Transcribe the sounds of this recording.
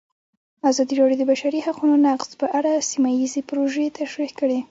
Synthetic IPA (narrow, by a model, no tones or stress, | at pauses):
azɑd̪iɾɑɽjod̪əbaʃaɾihaqunonaqz̥pəʔaɽasimajizepɾoʒet̪aʃɾixkəɽe